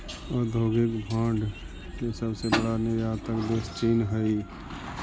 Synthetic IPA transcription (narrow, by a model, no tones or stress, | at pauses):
ɔːɾd̪ʱoːɡɪkbʱãːɳɖ | kesəbsebəɽanejaːt̪əkd̪eːst͡ʃiːnɦəi